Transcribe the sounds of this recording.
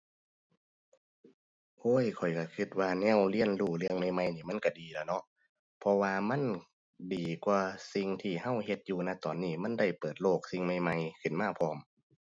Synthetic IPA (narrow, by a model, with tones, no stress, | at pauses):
ʔoː˧˥˨jkʰɔ˨˩jka˧˩kʰɯ˧t̪̚waː˧nɛː˧˥˨wli˧˥˨ənluː˧˩lɯ˧əŋma˧˩jma˧˩jniː˧˩ma˧˥˨nka˧˩diː˨˩lɛː˧˩nɔ˧˥ | pʰɔ˧waː˧ma˧˥˨n | diː˨˩kwaː˧si˧ŋt̪ʰiː˧˩ha˧˥˨whe˧t̪̚juː˧na˧˩t̪ɔː˨˩nːiː˧˩ma˧˥˨nda˧˩jpɤː˨˩t̪̚loː˧˥˩k̚si˧˨ŋma˧˩jma˧jkʰɯ˨˩nmaː˧˥˨pʰɔː˧m